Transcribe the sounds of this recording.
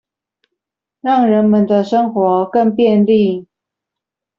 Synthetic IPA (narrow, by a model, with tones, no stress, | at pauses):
ɻɑ˥˩ŋɻə˧˦nmə˨nd̪ə˨ʂə˥ŋxwɔ˧˥kə˥˧ŋpjɛ˥˧nli˥˨